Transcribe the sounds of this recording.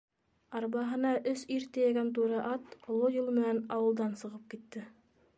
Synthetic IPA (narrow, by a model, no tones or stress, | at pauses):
ɑɾβɑɦɤ̆nɑʔɵsiɾt̪ɘ̆jæɡænt̪̬uɾɤʔɑt̪ŏlˠːojɤlˠmɘ̆nænɑwɤ̆lˠd̪ɑnsɤ̆ʁɤp̚kit̪ːɘ